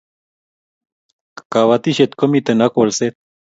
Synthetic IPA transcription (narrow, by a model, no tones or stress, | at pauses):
kaβat̪iʃet̪komit̪enakwolset̪̚